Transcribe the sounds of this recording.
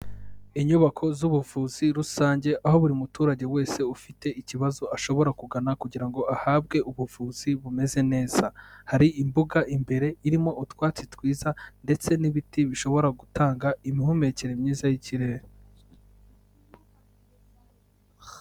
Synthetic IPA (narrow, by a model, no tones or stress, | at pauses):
iɲuβakʰo̞zuβuvuːz̥iɾusaːɲɟe̞ʔaho̞βuɾimutuːɾaɟe̞we̞ːse̞ufite̞ʔiciβazo̞ʔaʃo̞βo̞ɾakuɡanakuɟiɾaŋɡo̞ʔahaːbɡe̞ʔuβufuːz̥iβume̞ze̞ne̞ːz̥ahaɾiimbuɡaʔimbe̞ɾe̞iɾimo̞ʔutwaːt͡sitwiːzande̞t͡se̞niβitiβiʃo̞βo̞ɾaɡutaːŋɡaimihume̞ceɾemɲiːzajiciɾe̞e